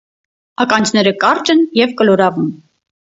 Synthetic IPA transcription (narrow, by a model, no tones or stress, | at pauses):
ɑkɑnd͡ʒʰnɛɾəkɑɾt͡ʃənjɛvkəlɔɾɑvum